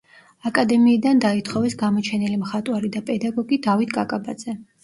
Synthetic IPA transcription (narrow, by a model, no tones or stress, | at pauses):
akʼad̪ɛmiːd̪and̪ait̪ʰχɔvɛsɡamɔt͡ʃʰɛnilimχat̪ʼwaɾid̪apʼɛd̪aɡɔɡid̪avit̪ʰkʼakʼaba̰d̪z̥ɛ